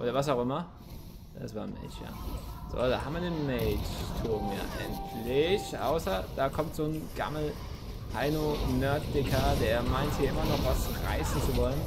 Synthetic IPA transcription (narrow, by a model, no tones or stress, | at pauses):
ʔoːɾɐvas̬aʊxʔɪmɐ | dasv̥aːɐnmɛ̰t͡ʃja̰ːz̥o̰ːda̰haːbmviɐdeːnmɛːt͡ʃtʰoːmja̰ʔa̰ɪnpʰleçʔa̰ʊsɐd̥aːkʰɔmtz̥oːnɡ̥a̰ml̩ | haɪnonœɐtd̥ɪkʰɐdeːɐmaɪnthiːɐɪmɐnɔχvasʁa̰ɪsn̩t͡suvɔlən